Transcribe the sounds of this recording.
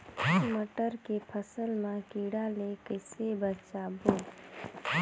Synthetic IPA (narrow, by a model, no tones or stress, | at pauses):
məʈəɾkepʰəsəlmãkiːɽalekəɪsebət͡ʃaːboː